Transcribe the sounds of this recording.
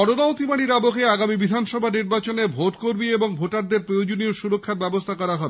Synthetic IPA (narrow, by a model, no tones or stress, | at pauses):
ɔɾonaot̪imaɽiɾabokeaɡamibid̪ʱanʃɔbʱaniɾbat͡ɕonebʱoʈkoɾmieboŋbʱoʈaɾd̪eɾpɾojod͡ʑonioʃuɾokʰːaɾbɛbost̪ʰakɔɾaɦɔebe